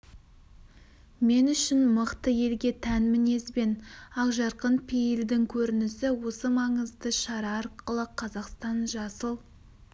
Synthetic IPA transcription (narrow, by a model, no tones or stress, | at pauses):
me̞nʏʃɪnməqt̪əje̞lɡʲe̞t̪ʰænmɪne̞sbe̞nɑqʒɑɾqənpʰejɪld̪ɪŋkʲʰɵɾɪnɪsɪwo̞səmɑɴəzd̪əʃɑɾɑɑɾqəlˠəqʰɑzɑqst̪ɑnʒɑsəlˠ